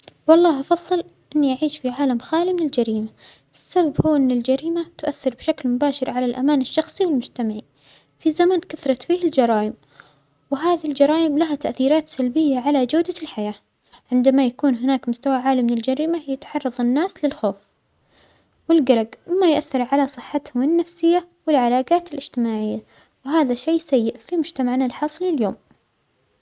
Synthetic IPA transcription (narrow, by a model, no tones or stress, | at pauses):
wɑlˤːɑːɦʔɑfɑðˤːɨl | ʔɪnːiʔaʕiːʃfiʕaːlamxaːlimɪnɪld͡ʒaɾiːma | ʔɪsːababhuːʔɪnːɪld͡ʒaɾiːmat̪ʊʔaθːɪɾbʃaklmʊbaːʃɪɾʕalalʔamaːnɪʃːɑxsˤiwɪlmʊd͡ʒt̪amaʕi | fizamankaθɾˤɑt̪fiːhɪld͡ʒɑɾˤɑːjɪm | wɪɦaːðald͡ʒɑɾˤɑːjɪmlaɦat̪aʔθiːɾaːt̪salbɪjːaʕalad͡ʒawd̪alħajaː | ʕɪnd̪amajakuːnɦɪnaːkmʊst̪awaʕaːlimɪnɪld͡ʒaɾiːmajat̪ħɑrˤːɑðˤɪnːaːslɪlxoːf | wɪlɡɑɾɑɡwɪmajʔaθːɪɾˤʕalasˤɨħːat̪hʊmɪnːafsɪjːa | wɪlʕalaːɡaːt̪ɪlɪd͡ʒt̪ɪmaːʕɪjːa | wɪɦaːðaʃeːsajːɪʔfimʊd͡ʒt̪amaʕnalħɑːsˤliljoːm